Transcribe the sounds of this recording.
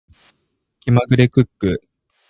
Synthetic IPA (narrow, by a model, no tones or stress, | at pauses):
kʲimaɡɯ̟ɾekɯ̟kːɯ